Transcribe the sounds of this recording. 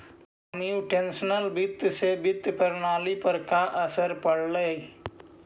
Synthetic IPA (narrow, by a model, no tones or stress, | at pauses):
əniuʈẽnsənəlbɪt̪ːsebɪt̪ːpəɾnaːlipəɾkaʔəsəɾpəɽləi